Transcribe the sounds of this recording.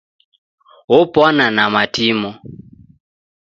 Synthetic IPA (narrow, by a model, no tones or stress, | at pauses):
opɔnanamatimɔ